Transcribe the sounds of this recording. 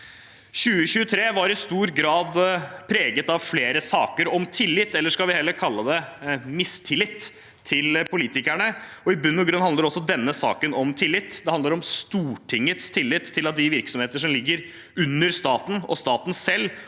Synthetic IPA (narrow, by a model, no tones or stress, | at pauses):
ɕʉːəɕʉːət̪ʰɾeːʋɑɾɪst̪uːɾɡɾɑːd̪pʰɾeːɡət̪ɑʋfleːɾəsɑːkəɾɔmt̪ʰɪlːɪt̪ːɛlːəʂkɑlʋɪhɛlːəɾkʰɑlːəd̪ɛmɪst̪ʰɪlːɪt̪ʰː | ɪlpʰʊliːt̪ɪkæɳə | ɔɪbʉnːɔɡɾʉnːhɑnəɾɔsːɔd̪ɛnːəsɑ̰ːkənɔmt̪ʰɪlːɪt̪ːd̪ɛhɑnd̪əɾɔmst̪uːʈʰɪŋːət̪st̪ʰɪlːɪt̪ʰːɪlɑt̪̚d̪ɪʋɪɾksɔmheːt̪əʂɔmlɪɡːəɾ | ʉnːəɾst̪ɑːt̪n̩ɔ̰st̪ɑːt̪n̩sɛlː